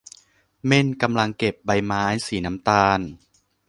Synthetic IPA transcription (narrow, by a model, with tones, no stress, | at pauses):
me˧˥˩nka˧mla˧ŋke˨˩p̚ba˧jmaː˦˥jsiː˩˦na˦˥mt̪aː˧n